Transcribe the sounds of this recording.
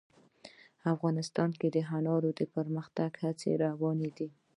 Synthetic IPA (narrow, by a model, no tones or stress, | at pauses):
afɣɑnɪst̪ɑnked̪əɦanɑɾod̪əpəɾməxt̪aɡhat͡sḛɾawɑned̪i